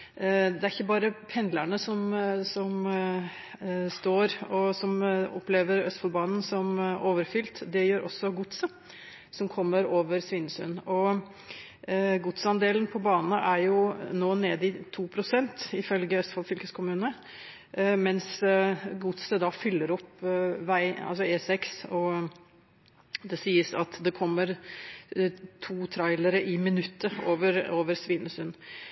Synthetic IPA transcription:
d̪ɛæɾɪçːəbɑːɾəpʰɛnd̪læɳəsɔmsɔm | st̪oːɾɔsɔmɔ̰pleːʋəɾœst̪fɑlbɑːnn̩sɔmʔoːʋəɾfʏlt̪d̪ɛjøːɾʔɔsːɔɡʊt̪sə | sɔmkʰɔmːəɾoːʋəɾsʋɪnsʉ̰nɔ | ɡʊt̪sɑnd̪eːlnpʰɔbɑːnnəʔæɾjʊnoːneːd̪ɪt̪ʰuːpʰɾʊsɛnt̪ɪfœlɡəœst̪fɑlfʏlkəskʰʊmʉːnə | mɛnsɡʊt̪səd̪ɑfʏlːəɾɔpːʋæɪɑ̰lsɔeːsɛksɔ | d̪ɛsiːəsɑt̪d̪ɛkʰɔmːəɾ | t̪ʰuːt̪ʰɾɑɪləɾəʔɪmɪnʉt̪ʰːəoːʋəɾoːʋəɾsʋiːnəsʉn

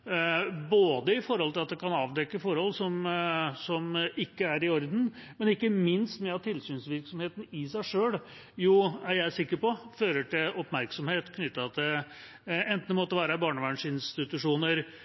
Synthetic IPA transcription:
boːd̪əɪfɔɾhɔlt̪ʰɪlɑt̪̚d̪ɛkɑnɑːʋd̪ɛkːəfɔɾhɔlːsɔmsɔmʔɪkːəæɾɪɔɾd̪n̩mɛnɪkːəmɪnst̪mɛɑt̪ʰɪlsyːnsʋɪɾksɔmheːt̪n̩ɪsæɪʂøːl | juːæɾjæɪæʂɪkːəɾpɔføːɾəʈɪlɔpmæɾksɔmheːt̪kʰnʏt̪ːɑt̪ɛ | ɛnt̪nmɔt̪ːəʋæːɾəbɑːɳəʋɑɳʂɪnst̪ɪt̪ʉʂuːnəɾ

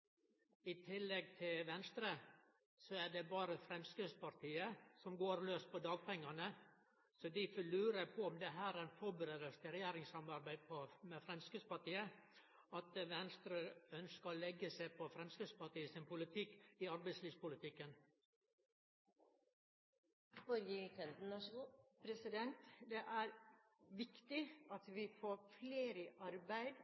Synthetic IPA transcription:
it̪ʰɪlːɛɡ̚t̪ʰɪlʋɛnst̪ɾə | sɔæɖɛbɑːɾəfɾɛmskʉspɑɾt̪ʰiːəsɔmɡoːɾløːst̪̚pʰɔd̪ɑːɡ̚pʰɛŋːɑnə | sɔd̪ifɔlʉːɾəpʰɔɔmd̪ɛɦæːɾænfɔbəɾeːd̪əlst̪əɾɛjeːɾɪŋsɑmɑɾbæɪd̪pʰɔmɛfɾɛmskʉspɑʈiːə | ɑt̪ʋɛnst̪ɾəœnskəɔlɛɡəsæɪpʰɔfɾɛmskʉspɑʈiːəsɪnpʰʊlɪt̪ʰɪkːɪɑɾbæɪsliːʋspʊlɪt̪ʰɪkːən | fɔɾjkɛnt̪n̩ɑpʰɾɛsɪd̪ɛnt̪d̪ɛʔæɾʋɪkt̪ɪɑt̪ʋɪfoːɾfleːɾəʔɑɾbæɪd̪

